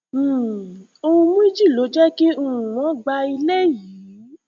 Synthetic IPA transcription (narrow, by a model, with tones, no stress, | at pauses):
o˧ũ˧mũ˦i˦d͡ʒi˦˨lo˨˦d͡ʒɛ˦ke˦u˦˨ɾũ˨wɔ̃˨˦ɡ͡ba˧i˧le˦ji˨˦